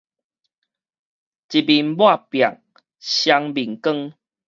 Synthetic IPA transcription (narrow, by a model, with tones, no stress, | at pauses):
t͡ɕi˨bi˨˩nbwa˥˨pja˨˩k̚ | ɕja˧ŋbi˨˩ŋkə˥˦ŋ